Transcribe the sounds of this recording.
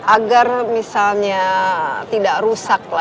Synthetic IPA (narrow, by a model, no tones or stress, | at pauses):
ʔaɡarmisalɲat̪idaʔrusak̚la